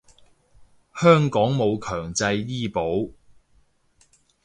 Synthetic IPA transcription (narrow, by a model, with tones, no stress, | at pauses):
hœː˥ŋkɔː˨˥ŋmo˨˧wkʰœː˨˩ŋt͡sɐ˧jːiː˥po˨˥w